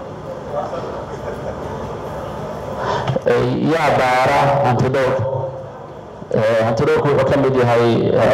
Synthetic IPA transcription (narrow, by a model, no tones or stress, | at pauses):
jaːdaːɾɐhɐnt̪ʰɪd̪ɔːr | ɛhɐnt̪ʰɪd̪ɔːrkʰʊħʊkʰɐmɪd̪jɐɦɛj